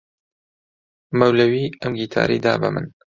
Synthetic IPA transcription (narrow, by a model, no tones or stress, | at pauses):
mɐwlɐwiːɐmɡiːt̪ʰa̰ːɾiːd̪aːbɐ̰mɨn